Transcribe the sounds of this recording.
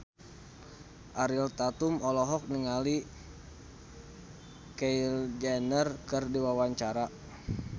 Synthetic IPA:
ʔaɾilt̪at̪umɔlɔɦɔk̚niŋali | kejld͡ʒanərkɨrdiwawaɲt͡ʃaɾa

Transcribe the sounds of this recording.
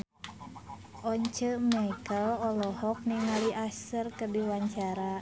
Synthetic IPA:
ʔɔɲt͡ʃəmaikəlɔlɔhɔk̚niŋaliʔasərkərdiwaɲt͡ʃaɾa

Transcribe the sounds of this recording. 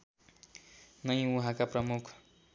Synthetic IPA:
nʌj̃ũɦãkaprʌmukʰ

